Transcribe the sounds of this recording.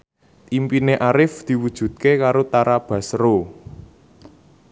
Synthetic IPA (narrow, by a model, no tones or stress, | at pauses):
impineʔaɾɪfd̪̥i̤wud̥ʒ̥ṳt̪̚kekaɾot̪aɾab̥ä̤sɾo